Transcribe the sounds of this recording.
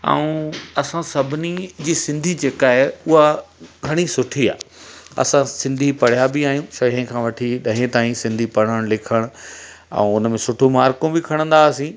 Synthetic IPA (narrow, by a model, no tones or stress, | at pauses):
a̰ũɐsãsɐbʱɪnid͡ʑiːsɪ̃nd̪ʱid͡ʑeːkaːɦeʊɦaɡʱɐɽ̃isʊʈʰia̰ːɐ̰sãsɪ̃nd̪ʱipɐɽ̤jabɪaːɦijũʃɐə̃kʰãːʋɐʈʰiɗɐ̃ɦẽt̪aːĩsɪ̃nd̪ʱipɐɽ̤əɽ̃lɪkʰəɽ̃ʊ | ɛ̰̃ʊnmẽsʊʈʰomaːɾkõbɪkʰɐɽ̃ə̃nd̪asĩ